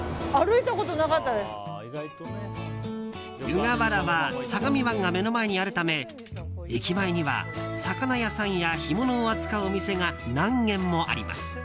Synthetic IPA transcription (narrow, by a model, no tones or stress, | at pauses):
aɾɯ̟it̪ako̞t̪o̞nakat̪ːad̪e̞sɨ̥ | jɯ̟ɡabaɾaβasaɡamʲiβãŋɡame̞no̞maeɲ̟iaɾɯ̟t̪ame̞ | ikʲimaeɲ̟iβa̰sakanajasãɰ̃jaçimo̞noːat͡sɨ̥kaɯomʲise̞ŋanãŋɡẽ̞mːo̞ʔa̰ɾʲima̰sɨ̥